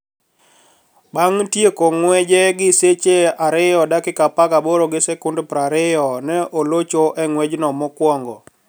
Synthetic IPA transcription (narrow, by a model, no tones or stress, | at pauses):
baŋtjekoŋwɛd͡ʒɛɡɪset͡ʃeaɾɪjɔdakɪkapakabɔɾoɡɪsɛkʊndopɾaɾɪjɔnɛʔolot͡ʃoʔɛŋwɛd͡ʒnɔmɔkwɔŋɡɔ̰